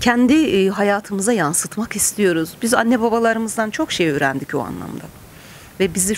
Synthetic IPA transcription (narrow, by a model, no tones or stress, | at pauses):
cʰɛnd̪iɦajaːt̪ʰɯmɯzajansɯt̪makist̪ʰijo̞ɾuzbizanːɛbabalˠaɾɯmɯzd̪ant͡ʃʰo̞kʃejøɾænd̪icbṵa̰nlˠa̰md̪a | vɛbizi